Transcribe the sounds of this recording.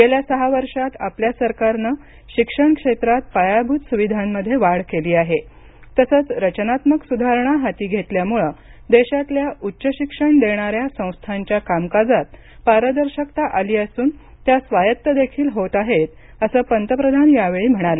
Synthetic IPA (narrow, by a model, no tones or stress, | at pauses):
ɡeljasəɦaʋəɾʂat̪apljasəɾkaɾnə | ɕikʂəɳkʂet̪ɾat̪̚pajabʱut̪suʋid̪ʱamːəd̪ʱːjeʋaɽkeliːaɦe | t̪əsət͡sɾət͡ɕənat̪məksud̪ʱaɾɳ̃aɦat̪iːɡʱet̪ljamuɭəd̪eɕat̪ljaʔutːɕəɕikʂəɳd̪eɽ̃aɾjasə̃w̃st̪ʰaɲt͡ɕjakamkad͡zat̪̚ | paɾəd̪əɾɕəkt̪aʔaliːəsuːn | t̪jasʋajət̪ːəd̪ekʰiːlɦot̪aɦet̪̚ | əsəːpənt̪əpɾəd̪ʱanjaʋeɭiːm̤əɽ̃alə